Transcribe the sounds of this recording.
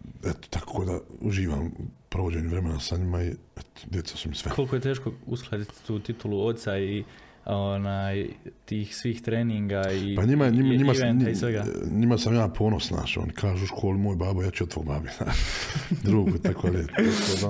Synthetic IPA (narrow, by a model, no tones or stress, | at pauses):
et̪o̥t̪akʰoːd̪aṵʒiːʋa̰ːmpɾo̞ʋod͡ʑeːɲeʋɾe̞menasaɲimaiet̪o̥d̪jet̪sḁsumisʋekʰo̞lkojet̪e̞ːʃko̞usklˠaːd̪it̪t̪uːt̪it̪uluo̞t̪t̪sai | o̞naːjt̪iːxsʋiːxt̪ɾeːniŋɡaipaɲimaeɲimaɲimaenɲisʋeɡaɲimasamjaːpʰo̞ːno̞sna̰ːʃo̰nikʰaːʒuːuʃkʰo̞ːlimoːjbaːbojaːt͡ʃuot̪o̰ːɡbaːbid̪a̰ | d̪ɾuːɡut̪akod̪aʎeakod̪a